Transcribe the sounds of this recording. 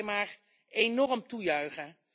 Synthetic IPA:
maːr | ejnɔrəmtujœɥχə

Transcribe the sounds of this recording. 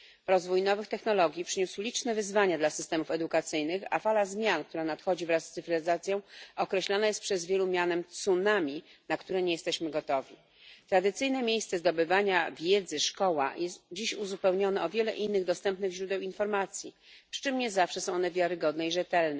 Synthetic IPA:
ɾɔzvujnɔvɘxt̪ɛxnɔlɔɡʲjipʂɘɲuswlʲit͡ʂnɛvɘzvaɲad̪lasɘst̪ɛmufɛd̪ukat̪sɘjnɘxa̰falazmʲjankt̪uɾanat̪xɔd͡ʑivɾasːt̪ɘfɾɛzat̪sʲjɔ̃w̃ɔkɾɛɕlɔnajɛst̪pʂɛzvʲjɛlumʲjanɛmt̪sunamʲinakt̪uɾɛɲɛjɛst̪ɛɕmɘɡɔt̪ɔvʲi | t̪ɾad̪ɘt̪sɘjnɛmʲjejst̪sɛzd̪ɔbɘvaɲavʲjɛd̪zɘʂkɔwa̰jʔɛst̪d͡ʑiɕuzupɛwɲɔnɛɔvʲjɛlɛʔinːɘɣd̪ɔst̪ɛmpnɘɣʑɾud̪ɛwinfɔɾmat̪sʲji | pʂɘ̥t͡ʂɘmɲɛzafʂɛsɔ̃w̃ɔnɛvʲjaɾɘɡɔd̪nɛiʐɛt̪ɛlnɛ

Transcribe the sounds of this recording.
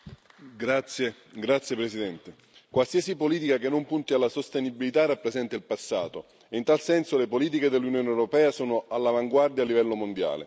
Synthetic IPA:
ɡɾat̪sːje | ɡɾat̪sjepɾesid̪ɛnt̪e | kwalsiasipoliːt̪ikakenːompunt̪ialːasost̪enibilit̪arapːɾezɛnt̪ailpasːa̰ːt̪o | int̪alsɛnsolepoliːt̪̬iked̪elːunjoːnewɾopɛːasɔːnoalːavaŋɡward̪jalːivɛlːomond̪ja̰ːlḛ

